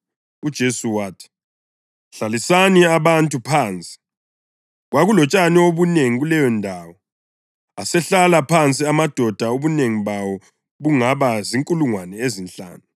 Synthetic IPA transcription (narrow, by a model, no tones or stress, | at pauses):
ud̥ʒ̥ʱesuwaːtʰi̥ | ɬalisaniaβantʼupʰaːnt͡sʼi̥ | ɣwaɣulɔt͡ʃʼanioβuneŋiɣulɛjɔndʱaːwɔ | asɛɬalapʰant͡sʼiamad̥ʱɔd̥ʱaoβuneŋiβawɔ | βuŋaβaziŋkʼuluŋwanɛezinɬʼa̰ːnu